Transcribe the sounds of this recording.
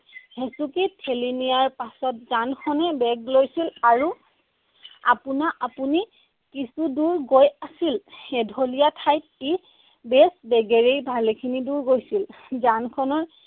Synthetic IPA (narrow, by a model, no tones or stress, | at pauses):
hɛsukitʰːelinijaɹpasɔt̚zankʰɔnɛbɛɡlojsilaɹu | a̰punaʔapuni | kisuduɹɡojasilɛdʱolijatʰajt̚e | besbɛɡɛɹejbʱalekʰiniduɹɡojsil | zankʰɔnɔɹ